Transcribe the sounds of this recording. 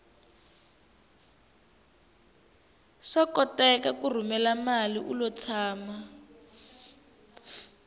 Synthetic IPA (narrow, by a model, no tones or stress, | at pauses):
ʂakɔtɛkakur̤umɛlamaliʔulɔt͡sʰaːma